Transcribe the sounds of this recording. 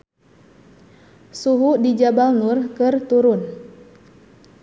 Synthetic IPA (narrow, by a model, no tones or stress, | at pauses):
suɦudid͡ʒabalnʊrkɨrt̪uɾʊn